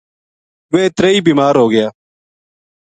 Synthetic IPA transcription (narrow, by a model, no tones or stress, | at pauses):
ʋeːt̪ɾeːiːbiːmaːɾɦoːɡɪjaː